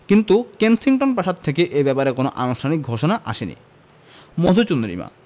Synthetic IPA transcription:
kint̪ukensiŋʈonpɾaʃad̪̚t̪ʰekeʔebɛpaɾekonoʔanoʃʈʰanik̚ɡʱoʃonaʔa̰ʃenḭ | mod̪ʱut͡ɕund̪ɾḭma̰

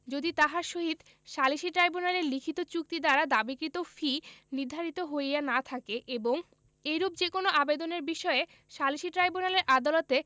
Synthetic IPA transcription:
d͡ʑod̪it̪aɦaɾʃoɦid̪ | ʃaliʃiʈɾajbunaleɾlikʰit̪ot͡ɕuk̚t̪id̪aɾad̪abikɾit̪ofiniɾd̪ʱaɾit̪oɦojjanat̪ʰakeʔeboŋ | eɾub̚d͡ʑekonoʔabed̪oneɾbiʃɔe | ʃaliʃiʈɾajbunaleɾʔad̪alot̪e

